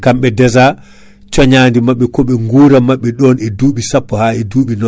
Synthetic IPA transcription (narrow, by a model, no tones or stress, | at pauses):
kamɓɛdɛza | t͡ʃɔɲaːndimaɓːɛkɔɓɛŋɡuːɾamaɓːɛɗɔnɛduːɓisapːɔhaɛduːɓinɔ